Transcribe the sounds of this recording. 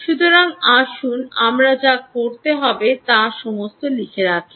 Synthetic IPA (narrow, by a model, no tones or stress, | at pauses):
ʃut̪oɾaŋaʃunamɾad͡ʑakoɾt̪eɦɔbet̪aʃɔmost̪olikʰeɾakʰi̥